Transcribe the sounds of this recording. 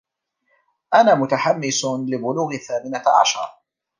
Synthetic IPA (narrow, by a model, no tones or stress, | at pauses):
ʔanaːmʊt̪aħamːɪsʊlɪbʊluːɣɪθaːmɪnaʕa̰ʃɑ̰ɾˤ